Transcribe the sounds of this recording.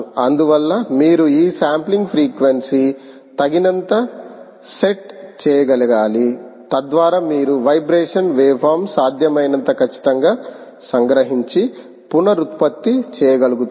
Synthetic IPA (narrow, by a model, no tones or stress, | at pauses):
ɐnd̪uʋɐlːɐmiːɾuiːsaːmpliŋɡpʰɾiːkʋensi | t̪ɐɡinɐnt̪ɐ | se̞ʈt͡ʃɛːjɐɡɐlɐɡaːlit̪ɐd̪ʋaːɾaːmiːɾuʋɐjbɾeːʂɐnʋeːpʰaːɾmsaːd̪ʱjɐmɐjnɐnt̪ɐkʰɐt͡ʃːi̥t̪ɐŋɡaː | sɐŋɡɾɐɦiɲt͡ʃi | punɐɾut̪pɐt̪ːit͡ʃɛːjɐɡɐluɡut̪